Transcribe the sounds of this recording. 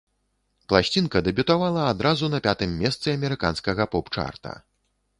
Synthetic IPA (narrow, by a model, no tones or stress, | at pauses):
plˠasʲt͡sʲinkɐd̪ɛbʲut̪avalˠɐad̪ɾazunɐpʲat̪ɨmːʲɛst̪sɨɐmʲɛɾɨka̰nskɐɣɐpɔpt͡ʂa̰rt̪ɐ̰